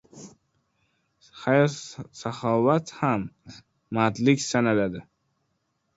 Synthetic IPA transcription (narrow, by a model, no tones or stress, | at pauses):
hajsahɒvat̪hamː | at̪lɪkʲsanalad̪ɪ